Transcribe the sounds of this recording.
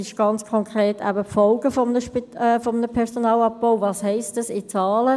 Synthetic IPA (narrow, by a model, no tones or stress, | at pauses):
ɪʃɡ̥ɑnt͡skʰɔŋkʁeːtæ̰bəpfɔlɡ̥əfɔmnəʃpitɛːfɔmənəpʰɛʁsonɑːlɑp̚b̥oʊvɑːshɛɪstɑsɪt͡sɑːlə